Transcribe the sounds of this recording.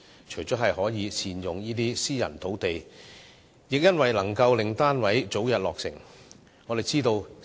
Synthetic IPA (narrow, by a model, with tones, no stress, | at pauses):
t͡ʃʰɵ˨˩jt͡sɔː˨˥ɦɐ˨jhɔː˨˥jiː˨˧t͡sʰiː˨˧njʊ˨ŋjiː˥t̪iː˥siː˥jɐ̰˨˩nt̪ʰo˨˥wt̪e˨j | jɪ˨k̚jɐ˥nwɐ˨jlɐ˨˩ŋkɐ˧wlɪ˨ŋt̪aː˥nwɐ˨˥jt͡so˨˥wjɐ˨t̚lɔː˨k̚sɪ̰˨˩ŋ | ŋɔː˨˧d̪e˨˩jt͡siː˥t̪o˧w